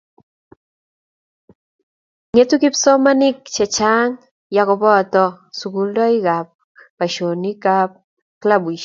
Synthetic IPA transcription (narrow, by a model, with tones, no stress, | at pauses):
ŋe˦tu˦ki˦psɔ˦ma˦nɪ˦kt͡ʃɛ˨t͡ʃa˦ŋ | ja˨kɔ˨bɔ˦a˨tɔ˦ | su˨ku˨˦ldɔ˦ɪ˦ɡa˨p̚ | pa˨ʃo˨ni˦ka˦p̚ | kla˦bi˨ʃ